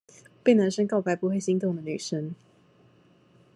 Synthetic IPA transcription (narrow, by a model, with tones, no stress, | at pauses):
pe˥˩ɪna˧˥nʂə˥ŋkɑ˥˩ʊpa˧˥ɪpu˧˥xwe˥˩ɪɕi˧˥ŋt̪ʊ˥˩ŋd̪ə˩ny˨˩ʂə˥ŋ